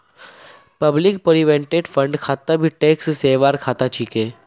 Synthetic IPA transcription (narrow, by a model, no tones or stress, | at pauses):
pəblɪkpəɾiʋẽɳʈeːɖfʰə̃ɳɖkʰaːt̪əbʱiʈeːksseːʋaːɾkʰaːt̪at͡ʃʰikeː